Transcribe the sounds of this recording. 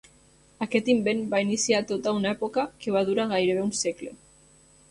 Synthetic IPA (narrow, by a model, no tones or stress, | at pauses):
aket̪imbenbainisiat̪ot̪aunaepokakeβ̞að̞uɾaɣajɾeβ̞eunseklḛ